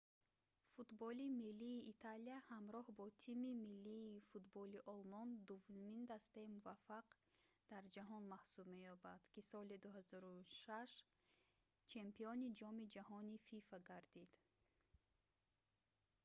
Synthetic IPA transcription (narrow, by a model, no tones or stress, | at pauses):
fut̪bɔlimilːiːʔːt̪ʰaliahamɾɔhbɔt̪ʰimimilːiːfut̪bɔliʔɔlmɔnd̪uvumind̪ast̪aimuvafːaq | d̪̥aɾd͡ʒaɦɔnmahsubme̞jɔbad̪̥kisɔlid̪uɦazɔɾuʃaʃ | t͡ʃʰe̞mpiɔnid͡ʒɔmid͡ʒahɔnififaɡaɾd̪id̪̥